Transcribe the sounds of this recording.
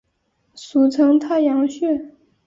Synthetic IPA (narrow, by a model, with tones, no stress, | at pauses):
su˧˥t͡sʰɤ˧˥ŋt̪ʰa˥˩jɑ˧˥ŋɕɥɛ˥˩